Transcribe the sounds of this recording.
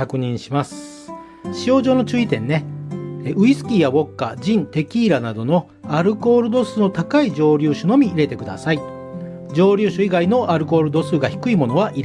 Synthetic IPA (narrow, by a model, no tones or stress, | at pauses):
kakɯ̟ɲ̟ĩɰ̃ɕimasɨ̥ | ɕio̞ːʑo̞ːno̞t͡ɕɨːit̪ẽ̞̰nːe̞ | ʔɯ̟isɨ̥kʲijaβo̞kːad͡ʑĩnt̪e̞kʲiːɾanad̪o̞no̞ | aɾɯ̟ko̞ːɾɯ̟d̪o̞sɨno̞t̪akaid͡ʑo̞ːɾʲɨːɕono̞mʲiiɾe̞t̪e̞kɯ̟d̪a̰sai | d͡ʑo̞ːɾʲɨːɕoiɡaino̞ʔaɾɯ̟ko̞ːɾɯ̟d̪o̞sɨːɡaçi̥kɯ̟imo̞no̞β̞aʔiɾ